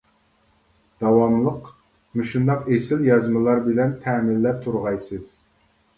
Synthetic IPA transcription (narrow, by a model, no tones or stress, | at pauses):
d̪̥ɑwɑmlˠəq | meʃund̪ɑqesɪljɑzmɨlˠɑɾbɪlɛnt̪ʰɛmɪlːɛt̪ʰuɾʁɑjsɨz̥